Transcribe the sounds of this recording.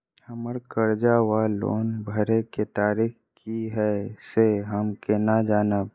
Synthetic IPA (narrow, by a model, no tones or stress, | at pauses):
əməɾkəɾd͡ʒawalo̰ːnbʱəɾeket̪aːɾiːx | kiɦɛseɦəmkenad͡ʒaːnəb